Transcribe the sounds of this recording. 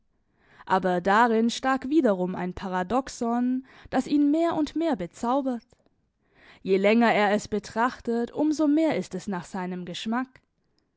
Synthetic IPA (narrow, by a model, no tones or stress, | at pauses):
ʔaːbɐdaʁɪnʃtaːkv̥iːdɐʁʊma̰ɪnpʰaʁadɔksɔn | d̥asiːnmeːɐʔʊntmeːɐbət͡saʊbɐt | jeːlɛŋɐeːɐɛsb̥ətʁ̥aχtətʰʔʊmzoːmeːɐɪstɛsnaːχz̥aɪnəmɡəʃmak